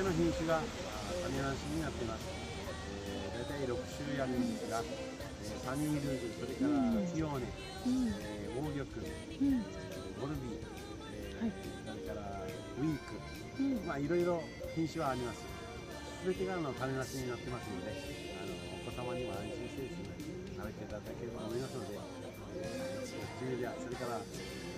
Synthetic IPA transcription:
no̞çĩɰ̃ɕɨɡa | t̪anenãɰ̃ɕiɲ̟inat̪ːemasɨ̥ | e | d̪ait̪aiɾo̞kɯ̟̥ɕɨːjakɯ̃nd̪esɨɡa | eːsaɲʲĩːɾɯd͡ʑiso̞ɾe̞kaɾakʲijo̞ːnẽ | eːo̞ːɡʲo̞kɯ̟ | ɡo̞ɾɯ̟bʲi | soɾesoɾe̞kaɾa | ɯ̟iːkɯ̟ | maiɾo̞iɾo̞ | çĩɰ̃ɕiβaːɾʲimasɨ̥ | sɨbe̞t̪e̞ɡaɾano̞t̪anenaseɲ̟inat̪ːe̞masɨno̞d̪e̞ | ano̞ːko̞samaɲ̟iβaaiʑĩse̞ːɕiɲi | naβet̪et̪ad̪ake̞ɾebaomo̞imas̬ɨno̞d̪e̞ | eaɾʲiast͡ɕined̪easo̞ɾe̞kaɾa

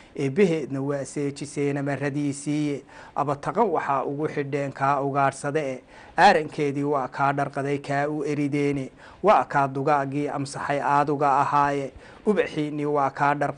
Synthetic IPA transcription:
ʔɛːbɛɦɛːd̪nɐwasɛːt͡ʃɪsɛːnɐmɐrɐðiːsiːjɛʔɐ̰βɐt̪ʰɐqɐnwɑħɑːʔʊ̰ɣʊħɪɖɛːŋkʰaːʊɣaːrsɐðɛɛ | ʔaːɾɐŋkʰɛːðiːwɑːkʰaːɖɐrqɑðɛjkʰaːʊɛɾɪðɛːnɛ | wɑːkʰaːd̪ʊɣaːɣiːʔɐ̰msɑħɑjʔaːðʊɣɐːhaːjɛ | ʊβɐħiːniwɑːkʰaːɖɐrq

